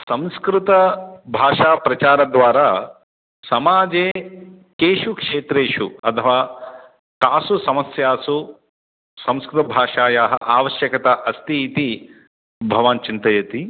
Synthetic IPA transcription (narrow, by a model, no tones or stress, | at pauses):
sɐ̃m̃skɾut̪ɐbʱaːʂaːpɾɐt͡ʃaːɾɐd̪ʋaːɾaː | sɐmaːd͡ʒeː | keːʂukʂeːt̪ɾeːʂṵɐt̪ʰɐʋaː | kaːsusɐmɐsjaːsu | sɐ̃mskɾɨt̪ɐbʱaːʂaːjaːɦɐ̰̆ʔaːʋɐʃjɐkɐt̪aʔɐst̪iːt̪i | bʱɐʋaːnt͡ʃint̪ɐjɐt̪i